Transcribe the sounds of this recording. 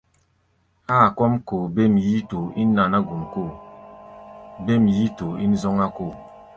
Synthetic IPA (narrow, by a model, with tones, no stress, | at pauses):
aː˦˨kwɔ˦mko˨be˦˨m˨ji˦to˨i˦nː˦a˨na˦ɡu˨mko˦˨ | be˦˨m˨ji˦to˨i˦n˦zɔ˦ŋa˦ko˦˨